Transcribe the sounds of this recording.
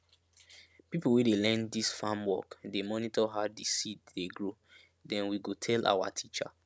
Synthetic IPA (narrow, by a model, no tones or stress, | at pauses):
pipowedelɛ̃nddisfãmwɔ̰kdemɔnitɔɦadisitdeɡɹo | dɛ̃nwiɡotʰɛlʔa̰wa̰tʰit͡ʃa̰